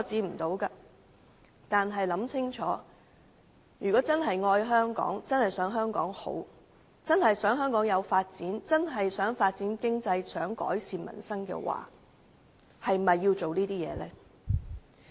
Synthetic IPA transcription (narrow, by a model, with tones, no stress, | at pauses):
t͡siː˨˧m̩˨˩t̪o˨˧˥wka˧ | t̪aː˨nɦɐ˨jlɐ˨˥mt͡sʰɪ˥ŋt͡ʃʰɔː˨˥ | jyː˨˩kɔː˨˥t͡sɐ˥nɦɐ˨jŋɔː˧jɦœː˥ŋkɔ̰ː˨˥ŋt͡sɐ˥nhɐ˨˩jsœː˨˥ŋɦœː˥ŋkɔː˨˥ŋho̰˨˥w | t͡sɐ˥nhɐ˨jsœː˨˥ŋɦœː˥ŋkɔː˨˥ŋjɐ˨˧wfaː˧t̚t͡siː˨˥nt͡sɐ˥nɦɐ˨jsœː˨˥ŋfaː˧t̚t͡siː˨˥nkɪ˥ŋt͡sɐ˧jsœː˨˥ŋkɔ̰ː˨˥jsiː˨mɐ̰˨˩nsɐ˥ŋkɛ̰ː˧wa̰ː˨ | hɐ˨jmɐ˨jːiː˧wt͡so˨wniː˥t̪iː˥jɛ̰ː˨˧lɛː˥